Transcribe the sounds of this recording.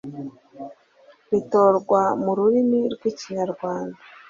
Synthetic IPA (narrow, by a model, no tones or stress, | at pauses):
βito̞ːɾɡwamuɾuɾimiɾɡwiːciɲaɾɡwaːndḁ